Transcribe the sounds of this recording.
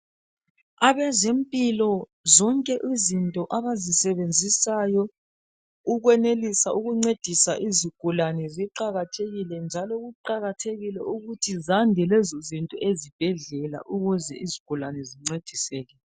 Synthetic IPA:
aβɛzempʼilɔ | zɔŋkʼɛʔizintʼɔʔaβazisɛβend͡zʱisajɔ | uɣwɛnelisaʔuɣuŋ͡ǀed̥ʱisaʔiziɡ̥ʱulanɛziǃaɣatʰeɣilɛnd͡ʒʱalɔɣuǃaɣatʰeɣilɛuɣutʰizandʱɛlɛzɔzintʼɔʔezib̥ʱɛɮɛla̰ʔuɣuzɛ̰ʔiziɡ̥ʱulanɛziŋ͡ǀed̥ʱisɛːɣɛlɛ

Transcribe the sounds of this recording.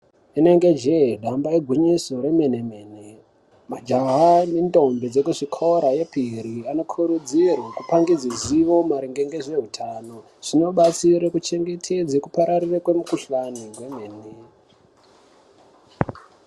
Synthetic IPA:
ine̞ŋɡe̞d͡ʒeɗambaeɡʱwiɲisoɾe̞menemeːne | mad͡ʒaɦanendo̞mbed͡zekuʐikʰoɾaje̞pʰiɾiano̞kʰuɾud͡zirwakupaŋɡid͡ziziʋo̞maɾiŋɡeŋɡe̞ʐe̞ɦutʰaːno̞ | ʐ̥ino̞ɓat͡siɾekut͡ʃe̞ŋɡe̞tʰed͡zekupaɾarirekwe̞mukuɬaniwe̞meːne

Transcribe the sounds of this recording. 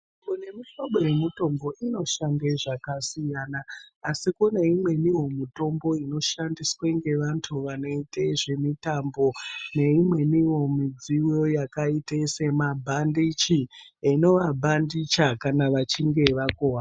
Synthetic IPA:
kune̞miʃoɓoje̞mito̞mbo̞ʔino̞ʃandeʐakasijanaːsikuneimwe̞niwo̞mito̞mbo̞ino̞ʃandisweŋɡe̞ʋantʰuʋano̞iteʐe̞mitambo̞ne̞imwe̞niwo̞mid͡ziwjo̞jakaitese̞mabʱandit͡ʃi | eno̞ʋabʱandit͡ʃakanaʋat͡ʃiŋɡe̞ʋakowa

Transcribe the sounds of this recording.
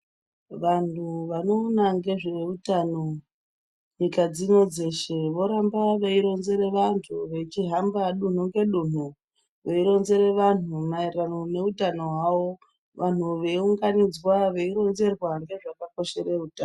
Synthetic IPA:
ʋantuʋano̞ːnaŋɡe̞ʐe̞utano̞ | ɲikad͡zino̞d͡ze̞ʃeʋo̞ɾambaʋeiɾo̞nze̞ɾeʋantʰuʋe̞t͡ʃiɦambaɗun̤uŋɡe̞ɗun̤u | ʋeiɾo̞nze̞ɾe̞ʋan̤umairanone̞utano̞ɦwawo | ʋʔan̤uʋe̞uŋɡanid͡zwaʋe̞iɾo̞nze̞rwaŋɡe̞ʐakako̞ʃe̞ɾeuta

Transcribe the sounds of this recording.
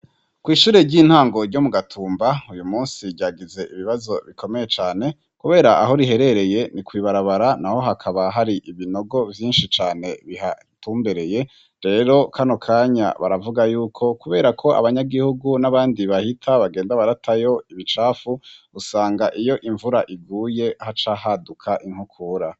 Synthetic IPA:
kwiːʃuːɾe̞ɟiːn̥haːŋɡo̞ɾɟo̞muɡatʰuːmbaujumuːnsiɾɟaːɡize̞ʔiβiβazo̞βikʰo̞me̞je̞t͡ʃaːne̞ | kuβe̞ːɾaʔaɦo̞ɾiɦe̞ɾe̞ɾe̞je̞nikwiːβaɾaβaɾanaho̞ɦakʰaβaɦaɾiʔiβino̞ɡo̞vjiːnʃit͡ʃaːne̞βiha̰ | tuːmbeɾe̞je̞ | ɾe̞ɾo̞kʰano̞kʰaːɲa̰βa̰ɾavuɡajuːkʰo̞kuβe̞ːɾakʰo̞ʔa̰βaɲaɡihuɡunaβaːndiβahitʰaβaɡe̞ːndaβaɾatʰajo̞iβit͡ʃaːfu | usaːŋɡaʔijo̞ʔiɱvuɾaʔiɡuːje̞hat͡ʃahadukʰaʔiŋ̥hukʰuɾa

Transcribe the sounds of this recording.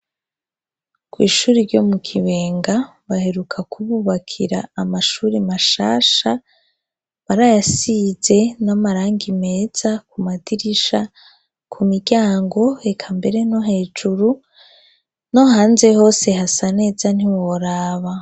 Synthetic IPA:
kwḭːʃuːɾiɾɟo̞mukʰiβe̞ːŋɡa | βahe̞ɾukʰakuβuβakʰiɾa̰ːmaʃuːɾimaʃa̰ːʃa | βaɾajasize̞namaɾaːŋɡime̞ːz̥akumadiɾiʃa | kʰumiɾɟaːŋɡo̞ekʰambe̞ɾe̞no̞ɦe̞ːd͡ʒuɾu | no̞ɦaːnze̞ho̞ːse̞ɦasane̞ːzan̥iwoɾaːβa

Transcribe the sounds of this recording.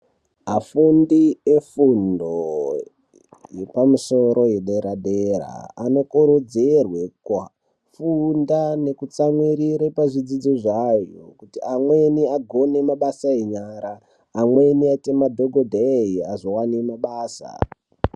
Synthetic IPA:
afundie̞fundo | je̞pamuso̞ɾo̞jeɗeɾaɗeɾa̰ːno̞kuɾod͡zerwekwa | fundane̞kut͡samwiɾiɾepaʐid͡zid͡ziʐajokutiamwe̞niaɡʱo̞ne̞maɓasaeɲaɾaː | mwe̞niatemadʱo̞ɡʱodʱeiaʐiwanemaɓaːsa̰

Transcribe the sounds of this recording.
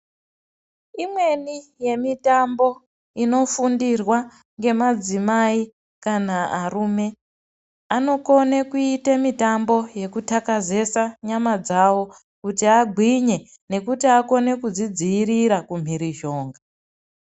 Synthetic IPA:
imwe̞nije̞mitambo̞ | ino̞fundirwa | ŋɡe̞mad͡zimai | kanaarume̞ | ano̞ko̞nekuitemitambo̞je̞kutakaze̞saɲamad͡zawo̞ | kutiaɡʱwiɲe̞ | ne̞kutiako̞ne̞kud͡zid͡ziːɾiɾakum̤iɾiʒo̞ːŋɡa

